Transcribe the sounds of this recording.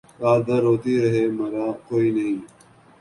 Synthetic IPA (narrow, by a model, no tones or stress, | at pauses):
kaːd̪ɐɾːoːt̪iːɾɐɦeːmɐɾaːkoːiːnɐɦĩː